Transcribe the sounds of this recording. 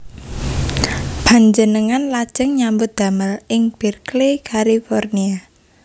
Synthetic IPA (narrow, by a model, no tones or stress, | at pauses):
b̥a̤ɲd͡ʒənəŋanlad̥ʒ̥əŋɲambʊt̪̚d̪̥a̤məlɪŋb̥i̤rklekʰalifɔrnia